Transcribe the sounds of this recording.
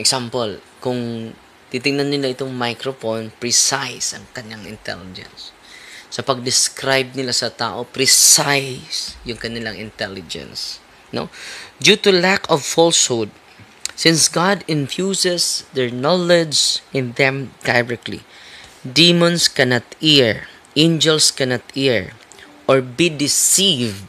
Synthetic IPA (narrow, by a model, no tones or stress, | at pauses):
ɛksampol | kʊŋ | t̪it̪ɪŋnanːɪlaʔɪt̪oŋmajkɾofonpɹisajsɐŋkɐnjaŋɪ̰nt̪ɛ̰lɪd͡ʒɛ̰nsː | ɐpɐɡ̚d̪ɪskɾajb̚nɪlasɐt̪a̰ːʔo̞pɾɪsajsjʊŋkɐnɪlaŋʔɪnt̪ɛlɪd͡ʒɛ̰̃ns | no̰dut̪ʊlakɔvfɔlshod̪̚ | sɪ̃nsɡad̪ɪ̃nfjusɛsd̪ɛɹnɔlɛd͡ʒɪ̃nðɛ̃md̪ajɹɛk̚t̪lḭd̪imõnskɛnat̪hiɹ | ʔẽnd͡ʒɛlskɛnat̪iɹ | ʔɔɹbid̪ɪsivd̪